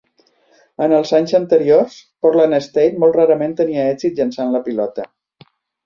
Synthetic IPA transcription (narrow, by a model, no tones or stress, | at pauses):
ənəlˠzaɲzənt̪əɾiorspɔɾlanəst̪ejt̪mɔlˠt̪raɾəment̪əniəɛzit̪̚ʒənsanləpilɔt̪ə